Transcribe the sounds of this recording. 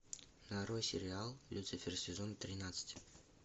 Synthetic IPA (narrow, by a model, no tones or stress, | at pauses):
naɾojsʲɪ̰ɾʲɪalˠlʲut̪sɨfʲɪrsʲɪzont̪ɾʲɪnat̪sə̥tʲ